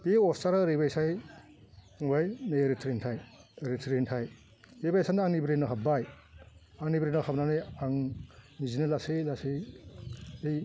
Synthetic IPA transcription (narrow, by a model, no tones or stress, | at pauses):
teɔstaɾaɾebajsaj | ŋbajneɾitʰɾentʰajɾitʰɾentʰaj | ebajsanaŋnibɾenɯɦabbaj | aŋnibɾenɔhabnanɯjaŋnizinɯlaselase | ej